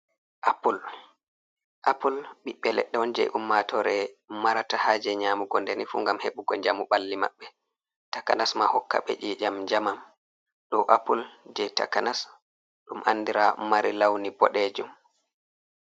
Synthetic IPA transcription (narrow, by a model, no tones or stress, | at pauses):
ʔapul | ʔapulɓiɓːɛlɛ̰ɗːɛwɔnd͡ʒɛ̰jʔumːatɔɾɛmaɾatahad͡ʒɛɲaːmuɡɔndenifṵːŋɡamheɓuɡɔɲd͡ʒamuɓalːima̰ɓːɛ | takanasmahɔkːa̰ɓɛ̰ʔiːd͡ʒamd͡ʒamam | ɗɔʔapuld͡ʒɛjta̰kanas | ɗumʔanːdiɾamaɾilawnibɔɗed͡ʒum